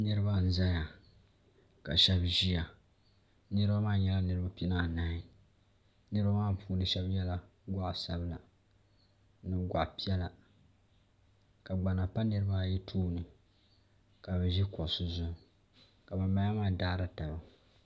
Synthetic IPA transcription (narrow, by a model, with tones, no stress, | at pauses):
nɨ˦ɾɨ˦ba˦n̩˦za˦ja˨ | ka̰˨ʃɛ˦bʒi˦ja˨ | nɨ˦ɾɨ˦ba˦maː˦˨ɲɛ˦la˦nɨ˦ɾɨ˦ba˦pi˦na˦˨naː˦i˨ | nɨ˦ɨ˦ba˦maː˦˨pʰuː˦nɨ˨˦ʃɛ˦bjɛ˦la˦ɡʷa˦ʔsa˨bla˨ | nɨ˦ɡʷa̰˨ʔpi˦ɛ˦la˨ | ka˨ɡ͡ba˨na˨pa˦nɨ˦ɾɨ˦ba˦˨jɛ˦tʰuː˦nɨ˨ | ka˨bɛ˨ʒi˦kɔ˨ʔsʊ˦zʊ˨ | ka˨ba˨mːa˦a˦maː˦˨daː˦ɾa˦ta˨ba˨